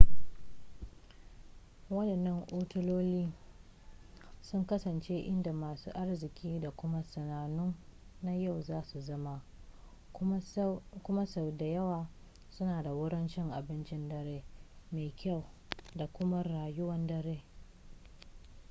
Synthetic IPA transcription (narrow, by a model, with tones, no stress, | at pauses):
wɐ˦dɐ˨nːɐ˦ŋʔoː˦tʊ˦loː˦liː˦ | sʊ˦ŋkɐ˦sɐ˨nt͡ʃe˦ʔɪ˦nda˨maː˨sṵː˦ʔa˦rzɪ˨kʲʰiː˦da˨kʷʊ˦ma˦sɐ˨naː˨nʊ˦nːa˦ja˦˨wzaː˦su˨zɐ˦ma˦ | kʷʊ˦ma˦sa˨wda˨jɐ˦waː˨ | sʊ˦naː˨da˨wʊ˦ɽɪ˦nt͡ʃɪ˦ŋʔa˨bɪ˦nt͡ʃɪ˦ndɐ˦ɾeː˦meː˨kʲʰa˦˨wda˨kʷʊ˦ma˦ɾaː˨jʊ˦wɐ˦ndɐ˦ɾeː˦